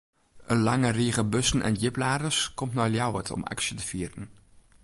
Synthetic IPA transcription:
ʔənlɑŋəriːɣəbɵsən̩ʔɛ̰njɪplaːdəskɔmtnaːljawətʰɔ̰ma̰ksjətəfiːərən

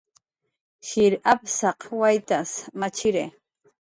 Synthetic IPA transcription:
ʃiɾʔapsɑqwajt̪asmat͡ʃɪɾe

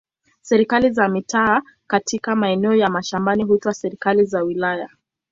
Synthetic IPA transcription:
sɛɾikalizamitaː | katikamaɛnɛɔjamaʃambaniɦuitwasɛɾikalizawilaja

